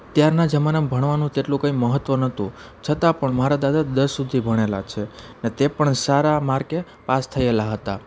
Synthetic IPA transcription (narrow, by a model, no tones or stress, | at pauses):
t̪jaɾnad͡ʒəmanəmbʱəɳʋanũt̪eʈlũkə̃ĩməɦət̪ʋənət̪ũ | t͡ʃʰət̪apəɳmaɾad̪ad̪ad̪əɾsud̪ʱibʱəɽ̃ela̰t͡ʃʰenet̪epəɳsaɾamaɾke | past̪ʰəelaɦət̪a